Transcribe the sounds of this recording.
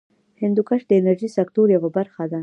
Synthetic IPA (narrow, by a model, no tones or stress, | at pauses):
hɪnd̪ukaʃd̪əɪnaɾʒisakt̪oɾjawabaɾxad̪a